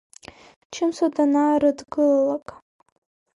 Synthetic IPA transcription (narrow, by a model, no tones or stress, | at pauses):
t͡ʃʰɨmsod̪anaɾɨdɡɨlalˠakʼ